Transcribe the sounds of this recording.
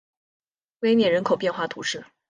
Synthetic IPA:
we˥ɪnjɛ˨˩ɻə˧˥nkʰo˨˩ʊpjɛ˥˧nxwa˥˩t̪ʰṵ˨˧˥ʂɻ̩˥˩

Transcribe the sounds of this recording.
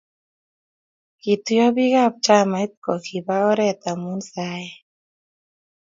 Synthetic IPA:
ki˨t̪u˧jɔ˦bi˦ɡa˦˧˨p̚t͡ʃa˧˨ma˧˦jt̪̚kɔ˨kʰi˨ba˧˦ɔ˦ɾɛ˧˨t̪a˨mu˧˦nsa˧˦j

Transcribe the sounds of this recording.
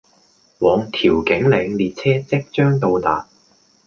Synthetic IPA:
wɔː˨˧ŋt̪ʰiː˨˩wkɪ˨˥ŋlɛː˨˧ŋliː˨t̚t͡sʰɛː˥t͡sɪ˥k̚t͡ʃœː˥ŋt̪o˧wt̪aː˨p

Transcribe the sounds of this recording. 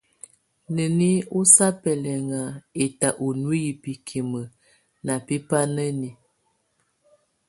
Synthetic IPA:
nə˨ni˦u˦sa˦pɛ˨lɛ˨ŋa˨e˨ta˨ʔo˨nu˦ji˨pi˨kʰi˨mə˨ | na˨pi˦pa˦nə˦ni˨

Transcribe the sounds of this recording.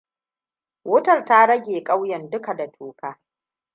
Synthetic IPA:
wʊ˦tɐ˨rta˦ɽɐ˦ɡʲeː˨kʼa˦wjɐ˨ndʊ˦ka˨da˨tʰoː˨kaː˦

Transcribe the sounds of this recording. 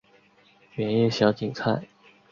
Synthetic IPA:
ɥɛ˧˥njɛ˥˩ɕjɑ˧˥ʊt͡ɕi˨˩ŋt͡sʰa˥˩ɪ

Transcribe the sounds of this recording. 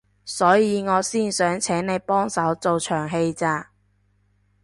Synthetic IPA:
sɔː˨˥jiː˨˧ŋɔː˨˧siː˥˩nsœː˨˥ŋt͡sʰɛː˨˥ŋne˨˧jpɔː˥ŋsɐ˨˥wt͡so˨wt͡ʃʰœː˨˩ŋɦe˧jt͡saː˧

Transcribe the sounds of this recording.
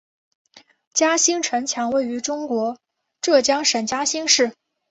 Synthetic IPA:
t͡ɕja˥ɕi˥ŋʈ͡ʂʰə˧˥nt͡ɕʰjɑ˧˥ŋwe˥˩ɪy˧˥ʈ͡ʂʊ˥ŋkwɔ˧˥ | ʈ͡ʂɤ˥˩t͡ɕjɑ˥ŋʂə˨˩nt͡ɕja˥ɕi˥ŋʂɻ̩˥˩

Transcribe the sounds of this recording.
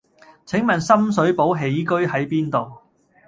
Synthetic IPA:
t͡sʰɪ˨˥ŋmɐ˨˩nsɐ˥ms̬ɵ˨˥ɥpo˨˥wɦe˨˥jkɵ˥ɥɦɐ˨˥jpiː˥nt̪o˨w

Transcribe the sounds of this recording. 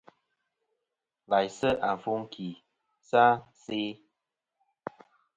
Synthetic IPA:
la˨jsə˦ʔa˨ɱ˨fu˦ŋ˦kʰi˨ | sa˦se˦

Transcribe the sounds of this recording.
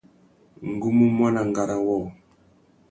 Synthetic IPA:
ŋ̩˨ɡu˦mu˦mwa˦na˨ŋ˨ɡa˨ɾa˨wɔ˦˨

